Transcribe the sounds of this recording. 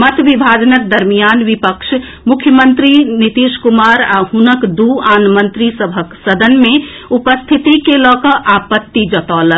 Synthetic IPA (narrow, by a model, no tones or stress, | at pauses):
mət̪ʰbibʱad͡ʒənək̚d̪əɾmijanbipəkʃʰ | mukʰjəmənt̪ɾinit̪iskumaɾaɦunəkd̪uanmənt̪ɾisəbʱəksəd̪ʱənme | upəst̪ʰit̪ikelɔkəʔapət̪ːid͡ʒət̪ɔlə